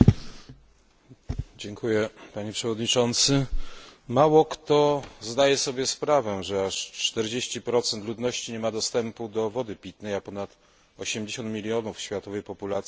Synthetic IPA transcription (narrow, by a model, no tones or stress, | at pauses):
d͡ʑɛŋkʰujɛpaɲɛpʂɛvɔd̪ɲit͡ʂɔnt̪sɘ | mawɔkt̪ɔzd̪ajɛsɔbʲjɛspɾavɛʐɛaʂt͡ʂt̪ɛɾd͡ʑeɕt͡ɕipɾɔt̪sɛnt̪lud̪nɔɕt͡ɕiɲɛmad̪ɔst̪ɛmpud̪ɔvɔd̪ɘpʲit̪nɛjapɔnat̪ | ɔɕɛmd͡ʑeɕɔ̃nt̪mʲilʲjɔnufɕfʲjat̪ɔvɛjpɔpulat̪sʲji